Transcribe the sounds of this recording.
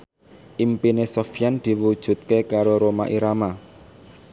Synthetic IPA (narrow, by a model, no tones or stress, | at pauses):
ʔimpinesofijand̪̥i̤wud̥ʒ̥ṳt̪̚kekaɾoɾoma̰ʔiɾama